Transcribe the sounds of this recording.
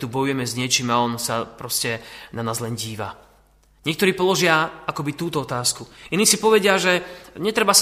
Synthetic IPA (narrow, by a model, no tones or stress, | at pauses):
t̪ubɔjujɛmɛzɲɪɛt͡ʃiːmaɔnsapɾɔscɛnanaːzlɛnɟiːʋa̰ | ɲɪɛkt̪ɔɾiːpɔlɔʒɪaakɔbit̪uːt̪ɔɔt̪aːskuiniːsipɔʋɛɟɪaʒɛɲɛt̪ɾɛbas